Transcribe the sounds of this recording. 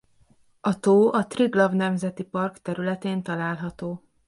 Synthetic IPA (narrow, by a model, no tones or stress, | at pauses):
ɒt̪oːʔɒt̪riɡlɒvnɛmzɛt̪ipɒrkt̪ɛɾylɛt̪eːnt̪ɒlaːlɦɒt̪oː